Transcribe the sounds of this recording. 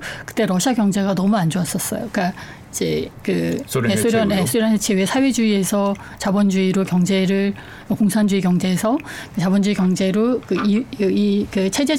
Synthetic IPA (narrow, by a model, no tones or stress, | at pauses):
kɯ̥t͈e̞ɾʌɕʰiakjʌŋd͡ʑe̞ɡanʌmuand͡ʑoas͈ʌs͈ʌ̰jok͈a | id͡ʑḛkɯesʰoɾjʌnjesʰoɾjʌnʰet͡ɕʰewesʰawe̞d͡ʑuie̞sʰʌ | t͡ɕabʌnd͡ʑuiɾokjʌŋd͡ʑe̞ɾɯɭ | mʌkoŋsʰand͡ʑuikjʌŋd͡ʑe̞ːsʰʌkɯt͡ɕabʌnd͡ʑuikjʌŋd͡ʑe̞ɾokɯiɯikɯt͡ɕʰed͡ʑe